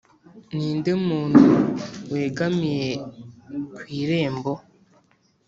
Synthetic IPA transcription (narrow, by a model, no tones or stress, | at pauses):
niːndemuːn̥huweːɡamije | kwiːɾe̞ːmbo